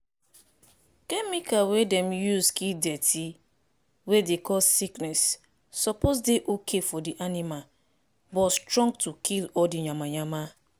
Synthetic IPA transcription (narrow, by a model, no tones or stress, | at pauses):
kemikawedɛm̩juzkidetʰi | wedekɔsiknɛsː | ɔpozdeʔokʰefɔdiʔanima | bɔstɾɔ̃ŋɡtukʰilɔdiɲamaɲama